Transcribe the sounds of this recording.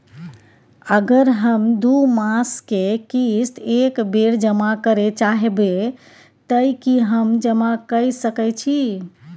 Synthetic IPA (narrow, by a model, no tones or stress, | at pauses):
əɡəɾɦəmd̪umaskekist̪ʰekbeɾd͡ʒəmakəɾet͡ʃaɦebe | t̪əjkiɦəmd͡ʒəmakəjsəkɛt͡ʃʰi